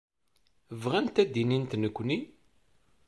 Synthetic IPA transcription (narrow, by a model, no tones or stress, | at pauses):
əvʁænt̪æd̪inint̪nəkʷːni